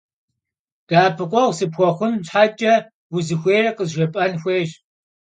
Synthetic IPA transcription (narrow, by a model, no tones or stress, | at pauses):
ɡ̥aːpʰɨqʷʼɔwʷsɨpxʷɔχʷʊnɕħaːt͡ʃʼɐ | wʊzɨxʷeːrɐqəzʒɐpʼɐnxʷeːʒ